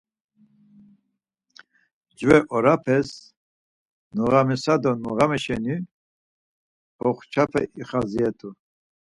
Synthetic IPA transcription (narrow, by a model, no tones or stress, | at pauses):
d͡ʒvɛʔɔɾapʰɛs | nuɣamɛsad̪ɔnuɣamɛʃɛni | hɔχt͡ʃʰapʰɛ̰ʔiχaziɛt̪ʰʼu